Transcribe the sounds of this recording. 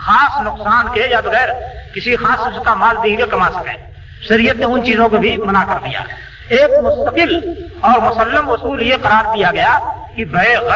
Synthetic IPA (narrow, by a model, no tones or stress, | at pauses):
xaːsnʊqsaːnkejaːb̪ɐɣɛːɾkɪsixaːsʊskamaːld̪iekɐmasɐ̥kɛ̰̃ː | ʃɐɾijət̪mẽʊnt͡ʃiːzõkobʱimənakɐɾd̪ḭja̰ː | eːk̚mʊst̪əqɪlɔːɾmʊsəlːəmʊsuːljeqɐɾaːɾk̪ijaɡɐjakibɐeɣ